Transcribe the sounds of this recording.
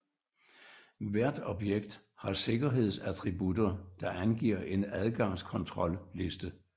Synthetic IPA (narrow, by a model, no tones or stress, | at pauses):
ʋæɐ̰d̥ɒ̽b̥jeɡ̥d̥ | hɑ̈se̝ɡ̥ɐɦe̝ð̞̰ˠsæt͡sʰʁibud̥ɐd̥ɑ̈ʔænɡ̥ḭɐ̰ʔe̝næð̞ˠɡ̥ɑ̈ŋ̰skʰɒ̽nt͡sʰʁɒ̽lle̝sd̥ə